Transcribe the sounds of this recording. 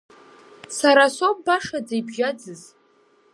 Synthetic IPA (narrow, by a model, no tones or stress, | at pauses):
saɾasop̚ʼbaʂad͡zejbʒad͡zɨz